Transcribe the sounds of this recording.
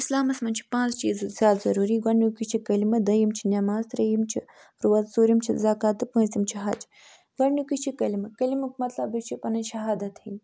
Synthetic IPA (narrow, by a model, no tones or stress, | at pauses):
islaːmɐsmɐnt͡ʃʰi̥pãːnt͡st͡ʃḭːzzʲjaːt̪zɐɾuːɾiɡɐɳːukʲit͡ʃʰikɐlimɐd̪ɐjimt͡ʃʰinʲɐmaːzt̪ɾɐjimt͡ʃʰi | ɾuʋɐt̪suːɾimt͡ʃʰizaːkaːt̪ɨpɐ̃ːsimt͡ʃʰiɦɐ̰d͡ʒ | ɡɐɳukʲit͡ʃʰikɐlimɨkɐlimɨkmɐt̪lɐbɨt͡ʃʰipɐnɐnʃɐɦaːd̪ɐt̪hɐim